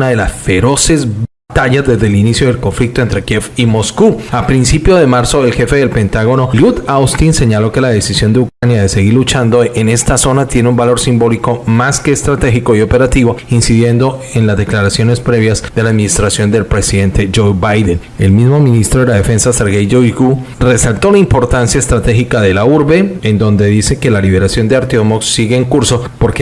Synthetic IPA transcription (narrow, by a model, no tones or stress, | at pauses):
naðe̞lasfe̞ɾo̞se̞zbat̪aʝazd̪e̞zd̪e̞linisjo̞ð̞elko̞ɱflik̚t̪oent̪ɾe̞kjefimo̞skuapɾinsipjo̞ð̞e̞maɾso̞e̞lxe̞feðe̞lpe̞nt̪aɣo̞no̞ljut̪awst̪inse̞ɲalo̞ke̞laðe̞sisjo̞nd̪eukɾanjaðe̞se̞ɣiɾlut͡ʃand̪o̞ʔene̞st̪aso̞nat̪je̞neumbalo̞ɾsimbo̞liko̞maske̞ːst̪ɾat̪e̞xiko̞io̞pe̞ɾat̪iβo̞insiðje̞nd̪o̞enlazd̪e̞klaɾasjo̞ne̞spɾe̞βjazd̪e̞laːðminist̪ɾasjo̞nd̪e̞lpɾe̞siðe̞nt̪e̞d͡ʒowbajd̪en | e̞̰lmizmo̞mĩnist̪ɾo̞ð̞e̞lað̞e̞fe̞nsase̞ɾɣejd͡ʒoiɡure̞salt̪o̞laimpo̞ɾt̪ansjaest̪ɾat̪e̞xikaðe̞lauɾβe̞end̪o̞nd̪e̞ðise̞ke̞laliβ̞e̞ɾasjo̞nd̪e̞aɾt̪jomoksːiɣe̞ːŋkuɾso̞po̞ɾke